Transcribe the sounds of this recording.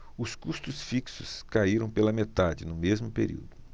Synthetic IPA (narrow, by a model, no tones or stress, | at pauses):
ʊskust̪ʊsfiksʊskaiɾɐ̃w̃pelɐmet̪ad͡ʒɪnʊmezmʊpeɾḭwd̪ʊ